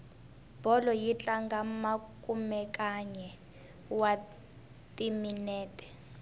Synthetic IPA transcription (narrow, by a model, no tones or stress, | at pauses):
b̥ʱɔlɔjit͡ɬaŋɡamakʼumɛkaɲɛ | wa | tʼiminɛːtʼɛ̥